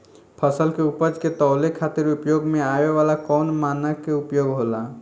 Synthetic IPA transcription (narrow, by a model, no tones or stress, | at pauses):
pʰəsəlkeupəd͡ʒket̪əʊlekʰat̪iɾupjoɡmeaeʋalakɔnmanəkːeupjoɡɦola